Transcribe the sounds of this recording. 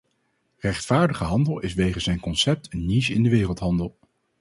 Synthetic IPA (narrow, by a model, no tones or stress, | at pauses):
rɛχtfaːɹdəχəɦɑndəlˠɪsʋejχənszɛjnkɔnsɛp̚tʰənːiʃɪndəʋɪːrəlˠtɦɑndəlˠ